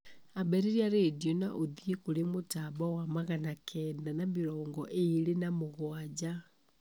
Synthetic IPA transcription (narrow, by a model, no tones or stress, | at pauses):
abeɾeɾiaɾedjona̰ʔoðjekulemotaβawamaɣanakʰɛːndanamiɾɔːŋɡɔʔeilenamoɣwad͡ʒa